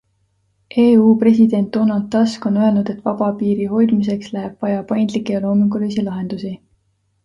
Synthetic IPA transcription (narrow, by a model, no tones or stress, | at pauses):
ʔe̞ːuːpre̞s̬id̪̥e̞nt̪ːonɑlt̪ːɑsko̞nø̞e̞lnud̪̥e̞t̪ːˑvɑb̥ɑpiːɾiho̞jd̪̥mis̬e̞kslæɦeb̥vɑjɑpɑjnd̪likːˑejɑlo̞ːmiŋɡ̥ulisilɑɦe̞nd̪̥usi